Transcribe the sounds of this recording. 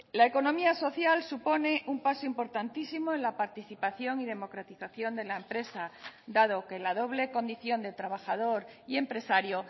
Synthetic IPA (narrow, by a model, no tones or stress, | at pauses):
laeko̞nõ̞miaso̞θjalsupo̞ne̞ʔumpasoimpo̞ɾt̪ant̪isimoenlapaɾt̪iθipaθjo̞ŋið̞e̞mo̞kɾat̪iθaθjo̞nd̪e̞laempɾe̞sad̪aðo̞kelaðo̞β̞le̞ko̞nd̪iθjo̞nd̪et̪ɾaβ̞axað̞o̞ɾie̞mpɾe̞saɾjo